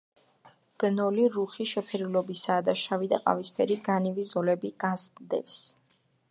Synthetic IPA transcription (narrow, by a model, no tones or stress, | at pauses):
b̥nɔliɾuχiʃɛpʰɛɾilɔbisaːd̪aʃavid̪aqʼa̰vispʰɛɾiɡanivizɔlɛbiɡ̥azd̪ɛ̰ps